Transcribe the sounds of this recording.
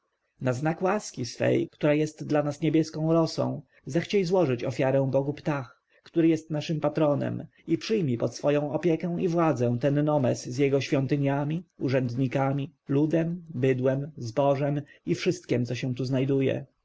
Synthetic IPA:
naznakwaskʲisfɛ̰jkt̪uɾajɛst̪d̪lanasɲebʲjɛskɔ̃w̃ɾɔsɔ̰̃w̃ | zaxt͡ɕɛjzwɔʐɘt͡ɕɔfʲjaɾɛ̃w̃bɔɡupt̪ax | kt̪uɾɘjɛst̪naʂɘmpat̪ɾɔnɛ̰m | ipʂɘjmʲipɔt̪sfɔjɔ̃w̃ɔpʲjɛkɛw̃ivwad̪zɛ̃w̃t̪ɛnːɔmɛszjɛɡɔɕfʲjɔnt̪ɘɲamʲiuʐɛnd̪ɲikamʲilud̪ɛmbɘd̪wɛmzbɔʐɛmifʂɘst̪kʲɛmt̪sɔɕɛ̃w̃t̪uznajd̪ujɛ̰

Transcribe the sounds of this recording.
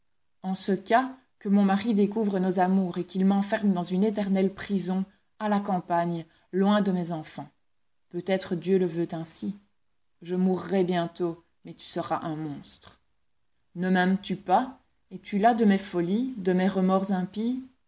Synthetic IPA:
ɑ̃səka | kəmɔ̃maʁid̪ekuvʁənɔzamuːʁekilmɑ̃fɛʁmd̪ɑ̃zynet̪ɛʁnɛlpχizɔ̃ | alakɑ̃paɲ | lwɛ̃d̪əmɛzɑ̃fɑ̃ | pøt̪ɛt̪χəd̪jøləvøt̪ɛ̃si | ʒəmuʁːɛbjɛ̃t̪o | mɛt̪y̥səʁaʔɛ̃mɔ̃st̪χ | nəmɛmt̪ypa | ɛt̪ylad̪əmɛfɔlid̪əmɛʁəmɔʁzɛ̃pi

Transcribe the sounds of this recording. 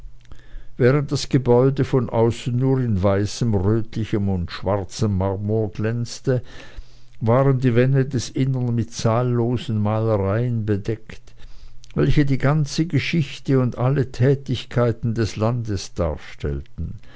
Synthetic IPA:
vɛːʁənt̚d̥asɡ̥əbɔʏdəfɔnʔa̰ʊsn̩nuːʁɪnvaɪsəmʁøːtʰlɪçəmʊndʃv̥aʁt͡səmːaʁmuɐɡ̥lɛnt͡stə | vaːʁəndiːvɛndədɛsʔɪnənmɪtt͡saːlːoːzn̩maːləʁaɪənbədɛktvɛlçədiːɡant͡səɡəʃɪçtəʊndʔalətʰɛːtɪçkʰaɪtn̩dɛslandəsd̥a̰ːɐʃtʰɛ̰ltn̩

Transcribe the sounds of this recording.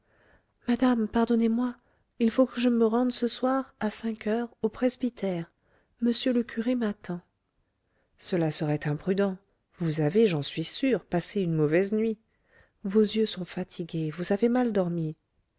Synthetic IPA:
mad̪ampaʁd̪ɔnemwa | ilfokəʒəməʁɑ̃d̪səswaʁasɛ̃kʰœʁopχezbit̪ʰɛʁ | məsjøləkʰʲyʁemat̪ɑ̃ | səlasəʁɛt̪ɛ̃pχyd̪ɑ̃ | vuzaveʒɑ̃sɥisyʁpaseynmɔvɛznɥi | vozjøsɔ̃fat̪ʰiɡʲevuzavemald̪ɔʁmi

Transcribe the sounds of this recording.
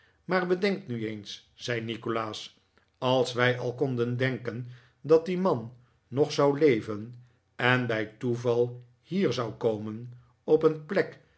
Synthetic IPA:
maːɹbədɛŋktnyejns | z̥ɛjnikolaːs | ɑlˠsʋɛjʔɑlˠkɔndəndɛŋkən | dɑt̚dimɑnː | ɔχsɑwlejvən | ɛnbɛjtuvɑlˠ | hiːɹzɑwkowmən | ɔpənplɛk

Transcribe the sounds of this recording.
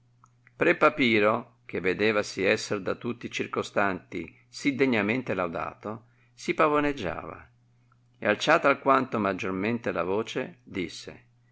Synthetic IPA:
pɾɛpapiːɾo | k̟evːed̪ɛːvasiɛsːerd̪at̪ut̪ːit͡ʃirkost̪ant̪ḭ | sid̪eɲːament̪elawd̪a̰ːt̪o | sipavoned͡ʒːa̰ːva̰ | ḛalt͡ʃaːt̪alkwant̪omad͡ʒːorment̪elavoːt͡ʃed̪isːḛ

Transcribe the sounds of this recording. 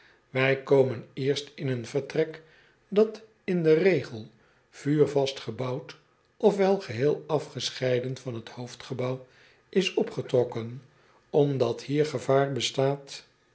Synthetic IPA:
ʋɛjkowmənɪːɹstɪnənvəɹtrɛk | dɑt | ɪndərejχəlˠ | v̥yːɹvɑstχəbɑwt | ʔɔfʋɛlˠχəɦɪːlˠɑfχəsχɛjdənfɑnɦəthowftχəbɑw | ʔɪsɔpχətrɔkən | ɔmdɑthiːɹχəvaːɹbəstaːt

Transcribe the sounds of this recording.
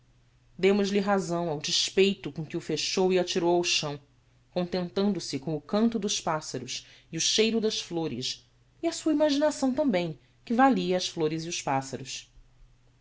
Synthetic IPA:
d̪ẽmʊzliɦazɐ̃w̃awd͡ʒiʃpejt̪ʊkõkɪʊfeʃowiat͡ʃiɾowʊʃɐ̃w̃ | kõnt̪ẽnt̪ɐ̃nd̪ʊsɪkõw̃ʊkɐ̃nt̪ʊd̪ʊʃpasɐɾʊsiʊʃejɾʊd̪ɐʃfloɾɪ̰s | iasuɐimaʒinasɐ̃w̃t̪ɐ̃mbẽj̃ | kɪvaliɐːsfloɾɪziʊspasɐɾʊs

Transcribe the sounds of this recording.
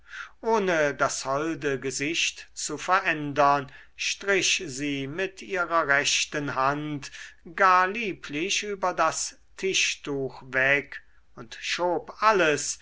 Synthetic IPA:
ʔoːnədashɔldəɡəzɪʃtt͡sufɛɐʔɛndɐn | ʃtʁɪʃziːmɪtʔiːʁɐʁɛʃtənɦantɡ̥aːɐliːpʰlɪʃyːbɐdas | tʰɪʃtuːxvɛk | ʊntʃoːpʔaləs

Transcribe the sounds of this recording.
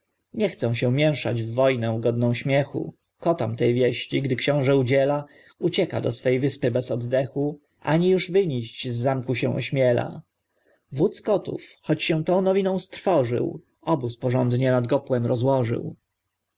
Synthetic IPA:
ɲɛxt̪sɛ̃w̃ɕɛ̃mʲjɛ̃w̃ʂad͡ʑvːɔjnɛ̃ɡɔd̪nɔ̃w̃ɕmʲjɛxṵ | kɔt̪amt̪ɛjvʲjɛɕt͡ɕiɡd̪ɘkɕɔ̃w̃ʐɛud͡ʑɛla | ut͡ɕɛka̰d̪ɔ̰sfɛjvɘspɘbɛzɔd̪d̪ɛxu | ʔaɲijuʐvɘɲiɕt͡ɕzːamkuɕɛ̃w̃ʔɔ̰ɕmʲjɛla̰ | vut̪skɔt̪ṵfxɔt͡ɕɕɛ̃w̃t̪ɔ̃w̃nɔvʲinɔ̃w̃st̪ɾfɔʐɘ̰w | ɔbuspɔʐɔnd̪ɲɛnad̪ɡɔpwɛmɾɔzwɔʐɘ̰w

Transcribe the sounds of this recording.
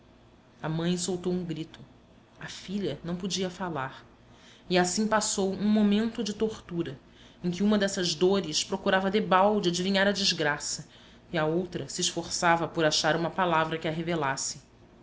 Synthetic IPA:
ɐmɐ̃j̃sowt̪owũŋɡɾit̪ʊ | ɐfiʎɐnɐ̃w̃pod͡ʒiɐfalaɾ | iasĩpasowũmomẽnt̪ʊd͡ʒɪt̪oχt̪uɾɐ | ẽkʲɪũmɐd̪ɛsɐʒd̪oɾɪʃpɾokuɾavɐd̪ebawd͡ʒɪad͡ʒiviɲaɾɐd͡ʒɪʒɡɾasɐ | iɐowt̪ɾɐsɪːʃfoχsavɐpoɾaʃaɾũmɐpalavɾɐkɪɐɦevelasɪ̥

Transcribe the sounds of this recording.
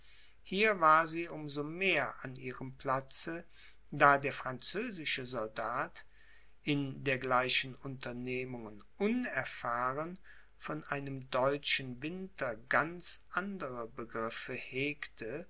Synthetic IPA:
hiːɐvaːɐziːʔʊmzomeːɐʔanʔiːʁəmpl̥at͡sə | d̥aːdeːɐfʁ̥ant͡søːzɪʃəzɔldaːt | ʔɪndeːɐɡlaɪʃən̩ʊntɐneːmʊŋənʔʊnɛɐfaːʁən | fɔnʔaɪnəmdɔʏt͡ʃn̩vɪntɐɡant͡sʔandəʁəbəɡʁɪfəheːktʰə

